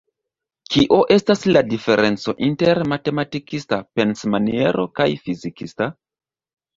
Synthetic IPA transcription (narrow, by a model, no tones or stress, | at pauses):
kiʔo̞ʔe̞stasladife̞ɾe̞nt͡so̞ʔinte̞ɾmate̞matikistape̞nsmanie̞ɾʔo̞̰kajfizikista